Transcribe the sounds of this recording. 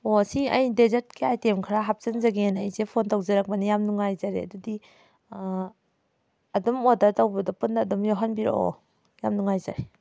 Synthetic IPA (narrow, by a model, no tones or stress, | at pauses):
osiɐjdezet̚kiajtemkʰɾaɦap̚sɐnzɐɡenɐjzepʰontawzɐɾak̚bɐnijamnuŋajzaɾeɐ̰dudi | ɐdɔmodaɾtawbɐdɐpunːɐːdɔmjoɦanbiɾo̰o̰ | jamnuŋajza̰ɾe